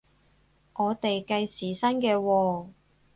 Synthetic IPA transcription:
ʔɔː˨˧t̪e˨jkɐ˧jsiː˨sɐ˥nkɛː˧wɔː˧

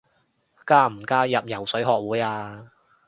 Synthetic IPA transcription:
kaː˥m̩˨˩kaː˥jɐ˨p̚jɐ˨˩wsɵ˨˥ɥɦɔː˧k̚wuː˨˥jaː˧

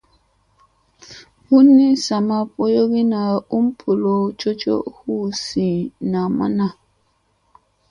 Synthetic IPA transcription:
hu˦ni˦sa˨ma˦po˦jo˦ɣi˦na˨u˦m̩˦pʰu˨lo˨t͡ʃo˦t͡ʃo̰˦hu˦sĩ˨na˨ma̰˦na˦˨

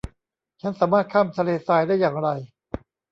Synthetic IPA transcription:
t͡ɕʰa˦˥nsaː˩˦maː˥˩t̪̚kʰaː˥˩mt̪ʰa˧leː˧saː˧jdaː˥˩jːaː˨˩ŋɾa˧j

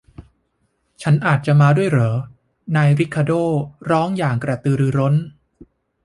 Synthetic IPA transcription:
t͡ɕʰa˦˥nʔaː˨˩t̪̚t͡ɕa˨˩maː˧du˥˩əjɾɤː˩˦ | naː˧jɾi˦˥kʰːa˧doː˥˩ɾɔː˦˥ŋjaː˨˩ŋkɾa˧˩t̪ɯː˧ɾɯː˧ɾo˦˥n

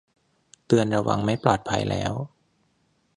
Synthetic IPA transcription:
t̪ɯ˧ənɾa˧wa˧ŋma˦˥jplɔː˨˩t̪̚pʰa˧jlɛ̰ː˦˥w

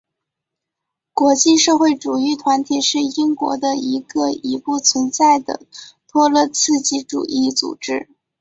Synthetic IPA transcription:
kwɔ˧˥t͡ɕi˥˧ʂɤ˥˧xwe˥˩ɪʈ͡ʂu˨˩y˧˥t̪ʰwa˧˥nt̪ʰi˨˩ʂɻ̩˥˩i˥ŋkwɔ̰˧˥d̪ə˧i˧˥ɡə˧i˧˥pu˥˩t͡sʰwə˧˥nt͡sa˥˩ɪd̪ə̰˩t̪ʰwɔ˥lɤ˥˧t͡sʰɹ̩˥˧t͡ɕi˧˥ʈ͡ʂṵ˨˩ʔi˥˩t͡sṵ˨˩ʈ͡ʂɻ̩˥

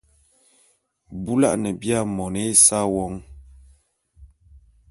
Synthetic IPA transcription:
bu˦la̰˦ʔnɛ˨bja˦mɔ˨ne˨˦sa˦wɔ˨˦ŋ

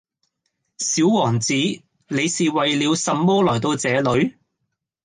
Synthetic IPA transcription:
siː˨˥wwɔː˨˩ŋt͡siː˨˥ | le˨˧jsiː˨wɐ˨jliː˨˧wsɐ˨mmɔː˥lɔː˨˩t̪o˧wt͡sɛː˨˧lɵ˨˧ɥ

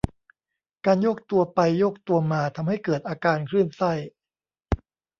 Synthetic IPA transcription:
kaː˧njo˦˥˩k̚t̪u˧ɐpa˧jːoː˦˥˩k̚t̪u˧ɐmaː˧t̪ʰa˧mɦa˥˩jkɤː˨˩t̪̚ʔaː˧kaː˧nkʰɾɯ˥˩nsa˥˩j

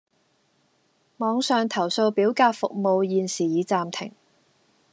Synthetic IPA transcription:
mɔː˨˧ŋsœː˨˧ŋt̪ʰɐ˨˩wso˧wpiː˨˥wkaː˧k̚fʊ˨k̚mo˨˧wjiː˨nsiː˨˩jiː˨˧t͡saː˧mt̪ʰɪ˨˩ŋ

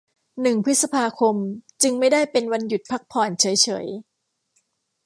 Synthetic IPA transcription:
nɯ˨˩ŋpʰɯ˦˥t̪̚sa˧pʰaː˧kʰo˧mt͡ɕɯ˧ŋma˥˩jda˥˩jpe˧nwa˧nju˨˩t̪̚pʰa˦˥k̚pʰɔː˨˩nt͡ɕʰɤ˩˦jt͡ɕʰɤ̰ː˩˦j

